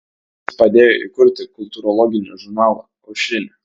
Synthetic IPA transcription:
pɐd̪ʲeːjo̰ʔḭkʊɾʲt̪ʲɪkʊlʲt̪uɾɔlˠɔɡʲɪnʲṵʒʊɾnɑːlˠɐ̰ | ɐʊʃʲɪnʲɛ

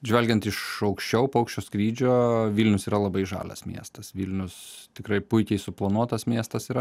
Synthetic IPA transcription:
ʒʲʋʲɛlʲɡʲɛnt̪ɪʃɒʊkʃʲt͡ʃʲɛʊpɐʊkʃʲt͡ʃʲoːskɾʲiːd͡ʒʲoːʋʲiːlʲnʲʊsiːɾɐlˠɐbɐɪʒɑ̰ːlʲɐ̰smʲḭɛst̪ɐsʋʲiːlʲnʲʊst̪ʲɪkɾɐɪpʊɪkʲɛɪsʊplˠɐnuɔt̪ɐsmʲiɛst̪ɐsiːɾɐ

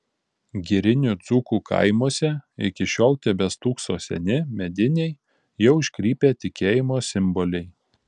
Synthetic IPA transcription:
ɡʲɛɾʲɪnʲʊt̪suːkuːkʰɐ̰ɪmoːsʲɛɪkʲɪʃʲoːlˠt̪ʲɛbʲɛst̪uːksoːsʲɛ̰nʲɪmʲɛd̪ʲɪnʲɛɪ | jɛʊɪʃʲkɾʲiːpʲeːt̪ʲɪkʲeːjɪmoːsʲɪmbɔlʲɛɪ

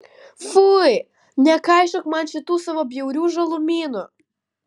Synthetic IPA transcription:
fuj | nʲɐkajʃɔkmanʲt͡ʃɪt̪usɐʋɔbjewɾʲuʒɐlˠʊmʲinʊ

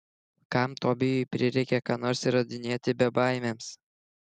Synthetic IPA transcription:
kɑmt̪oːbʲɪjʊjpʲɾʲɪɾʲɛɪkʲɛkɑːnoːɾʲsiɾɐd̪ʲɪnʲeːt̪ʲɪbʲɛbɑˑɪmʲeːms

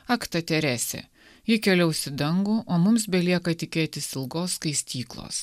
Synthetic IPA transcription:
ɐkt̪ɐt̪ʲɛɾʲæːsʲɛ̰ | jɪkʲɛlʲɛʊsʲɪd̪ɐŋɡuʔoːmʊmsbʲɛlʲiɛkɐt̪ʲɪkʲeːt̪ʲɪsɪlˠɡoːskɐɪsʲt̪ʲiːklˠo̰ːs

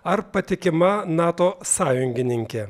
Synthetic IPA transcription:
ɐɾpɐt̪ʲɪkʲɪmɐnɑːt̪oːsɑːjʊŋʲɡʲɪnʲɪŋʲkʲɛ

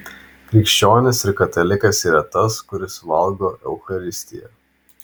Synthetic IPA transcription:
kɾʲɪkʃʲt͡ʃʲoːnʲɪsɪɾkɐt̪ɐlʲɪkɐsiːɾɐt̪ɐskʊɾʲɪsʋɐlˠɡoːʔɛʊxɐɾʲɪsʲt̪ʲɪjɛ̰

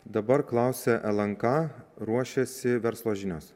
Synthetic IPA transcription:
d̪ɐbɐɾklˠɑˑʊsʲɛʔɛlˠɐŋkɑːɾuɔʃʲɛsʲɪʋʲɛɾslˠoːʒʲɪnʲoːs

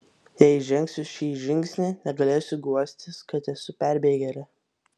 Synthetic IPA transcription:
jɛɪʒʲɛŋʲksʲʊʃʲiːʒʲɪŋʲksʲnʲeːnʲɛɡɐlʲeːsʲʊɡuɔsʲt̪ʲɪskɐt̪ɛsʊpʲæˑɾʲbʲeːɡʲɛɾʲɪ

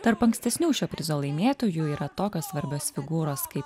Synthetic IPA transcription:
t̪ɐɾpɐŋksʲt̪ʲɛsʲnʲuːʃʲoːpʲɾʲɪzoːlˠɐɪmʲeːt̪oːjuːiːɾɐt̪oːkʲoːsʋɐɾʲbʲoːsfʲɪɡuːɾoːskɐɪp

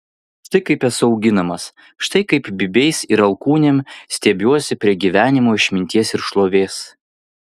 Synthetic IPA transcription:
ʃt̪ɐɪkɐɪpʲɛsʊɒʊɡʲɪnɐmɐs | ʃt̪ɐɪkɐɪpbʲɪbʲɛɪsɪɾɐlˠkuːnʲeːmsʲt̪ʲɛːbʲuɔsʲɪpʲɾʲiɛɡʲiːʋʲæːnʲɪmoːɪʃʲmʲɪnʲt̪ʲiɛsɪɾʃlˠoːʋʲeːs

